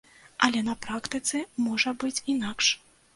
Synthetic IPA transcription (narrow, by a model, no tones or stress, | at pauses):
ʔɐlʲɛnɐpɾakt̪ɨt̪sɨmɔʐɐbɨt͡sʲinakʂ